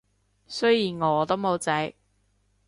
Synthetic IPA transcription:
sɵ˥ɥjiː˨˩nŋɔː˨˧t̪o˥wmo˨˧wt͡sɐ˨˥j

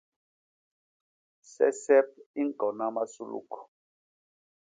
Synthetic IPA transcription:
sɛ̰˦sɛ˦p̚i˦ŋkɔ˨na˦ma˦su˦lṵ˨kʰɔ̥˨

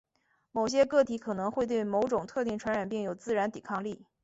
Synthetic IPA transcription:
mo˨˩ʊɕ̬jɛ˥kɤ˥˩t̪ʰi˧˥kʰɤ˨˩nɤ˧˥ŋxwe˥˧ɪt̪̬we˥˩ɪmo˧˥ʊʈ͡ʂʊ˨˩ŋt̪ʰɤ˥˧t̪̬i˥˩ŋʈ͡ʂʰwa˧˥nɻa˨˩npi˥˩ŋjo˨˩ʊt͡sɹ̩˥˩ɻa˧˥nt̪i˨˩kʰɑ˥˧ŋli˥˩

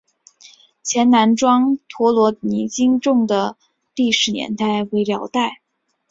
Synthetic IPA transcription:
t͡ɕʰjɛ˧˥nna˧˥nʈ͡ʂwɑ˥ŋt̪ʰwɔ˧˥lwɔ˧˥ni˧˥t͡ɕi˥ŋʈ͡ʂʊ˥˩ŋd̪ə˩ | li˥˩ʂɻ̩˧˥njɛ̰˧˥nt̪a˥˩ɪwe˧˥ɪljɑ˧˥ʊt̪a˥˩ɪ

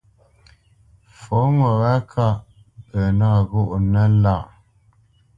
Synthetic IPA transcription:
fo˨˦mə˨wa˦kʰa˦˨ʔ | ə˨na˦˨ɣu˦˨ʔnə˦la˦˨ʔ

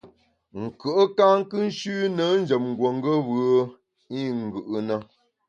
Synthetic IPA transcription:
ŋ̩˨kə˨ʔə˦ka˦ŋ̩˦kɨ˦n̩˦ʃʉ˦nə˨˦n̩˦d͡ʒə˨m̚ŋ̩˨ɡwo˨ŋ˦ɡə˦βɯ˨˦ə˦ | i˦ŋ̩˨ɡɯ˨ʔə˨nə˦

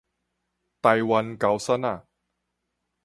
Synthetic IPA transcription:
t̪a˧jwa˧nka˨˥wsa˥na˥˨˩

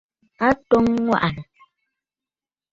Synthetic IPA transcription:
a˦tɔ˦ŋːwa̰˦ʔa˨nə˨

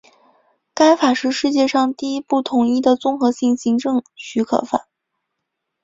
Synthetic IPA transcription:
ka˥ɪfa˨˩ʂɻ̩˥˧ʂɻ̩˥˧t͡ɕjɛ˥˧ʂɑ˥˧ŋt̪i˥˩i˧˥pu˥˩t̪ʰʊ˨˩ŋi˥˩d̪ə˩t͡sʊ˥ŋxɤ˧˥ɕi˥˩ŋɕi˧˥ŋʈ͡ʂɤ˥˩ŋɕy˧˥kʰɤ̰˨˩fa̰˨˩˦n

